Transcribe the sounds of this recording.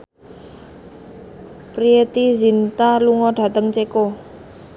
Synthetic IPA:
pɾiet̪izint̪aluŋɔɖ̥a̤t̪əŋt͡ʃeko

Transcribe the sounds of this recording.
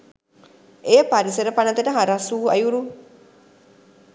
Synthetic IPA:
eːpaɾiseɾəpanɐt̪eʈəɦaɾasuːɐjuɾu

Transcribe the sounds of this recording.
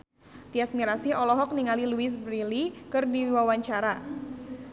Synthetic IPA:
t̪iasmiɾasiɔlɔɦɔk̚niŋaliluis̬bɾilikɨrdiiwawaɲt͡ʃaɾa

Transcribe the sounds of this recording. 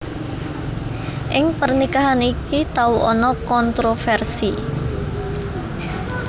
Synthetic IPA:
ʔɪŋpərnikaɦanikit̪auʔɔnɔkɔnt̪ɾofɛrsi

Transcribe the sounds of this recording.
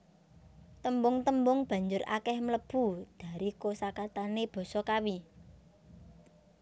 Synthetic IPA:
t̪əmbʊŋt̪əmbʊŋb̥ä̤ɲd͡ʒʊra̰kɛhmləb̥ud̪̥a̤ɾikosakat̪aneb̥ɔ̤sɔkawi

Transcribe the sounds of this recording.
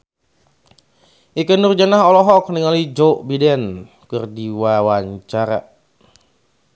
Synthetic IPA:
ʔikənurd͡ʒanaɦɔlɔɦɔk̚niŋalid͡ʒɔʔbidɛn | kɨrdiwawaɲt͡ʃaɾa̰

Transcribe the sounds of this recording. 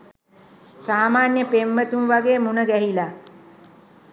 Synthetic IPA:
saːmaːnjəpemʋət̪umʋaɡeːmunəɡæɦila

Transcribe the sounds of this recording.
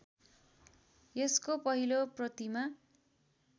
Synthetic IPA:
eskopʌɦiloprʌt̪ima

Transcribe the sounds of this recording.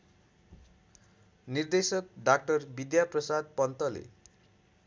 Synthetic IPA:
nird̪esʌk̚ɖak̚ʈʌrbid̪japrʌsad̪̚pʌnt̪ʌlḛ

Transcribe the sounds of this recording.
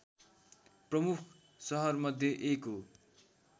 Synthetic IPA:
prʌmukʰ | sʌɦʌrmʌd̪ʱjʌʔekɦo

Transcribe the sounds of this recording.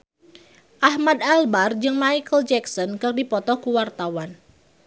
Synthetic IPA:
ʔahmad̪albard͡ʒɨŋmajkəld͡ʒɛksɔnkɨrdipɔt̪ɔkuwart̪awan

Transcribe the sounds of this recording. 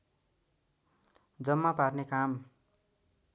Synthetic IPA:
d͡zʌmːaparnekam

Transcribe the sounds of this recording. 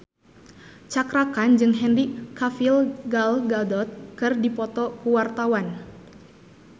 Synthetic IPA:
t͡ʃakɾakand͡ʒɨŋɦɛnrikafilɡalɡadɔt̪̚kɨrdipɔt̪ɔkuwart̪awan

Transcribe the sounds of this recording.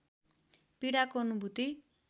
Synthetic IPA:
piɽakoʌnubʱut̪i

